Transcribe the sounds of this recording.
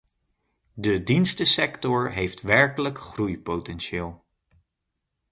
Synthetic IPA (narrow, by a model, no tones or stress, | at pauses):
dədinstəsɛktɔɹɦejftʋɛɹkələkχrujpowtɛnʃɪːlˠ